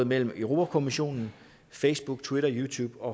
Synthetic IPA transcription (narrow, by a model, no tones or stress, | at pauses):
ð̩ˠmel̰m̩øʊʁo̝ːpʰækʰo̝miɕo̝̰ːnn̩ | feɪsb̥uɡ̥̚t͡sʰwiɾɐjuːt͡sʰuːb̥ɒ̽